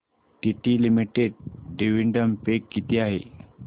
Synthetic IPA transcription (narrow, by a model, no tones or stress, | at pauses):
ʈiʈilimiʈeɖ̚ɖiʋiɳɖəmpekːit̪iaɦḛ